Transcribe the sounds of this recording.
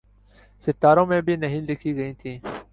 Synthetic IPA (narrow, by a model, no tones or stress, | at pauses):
sɪt̪ːaːɾõːmẽːbʱiːnəɦĩːlɪkʰiːɡəĩːt̪ʰĩː